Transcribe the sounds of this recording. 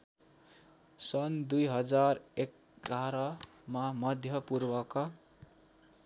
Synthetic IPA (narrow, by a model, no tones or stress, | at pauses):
sʌnd̪ujɦʌd͡zarek̚ | ɡaɾʌmamʌd̪ʱjʌpurbʌka